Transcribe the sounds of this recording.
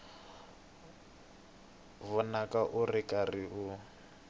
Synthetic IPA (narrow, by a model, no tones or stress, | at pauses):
βɔnakaʔurikʼariʔu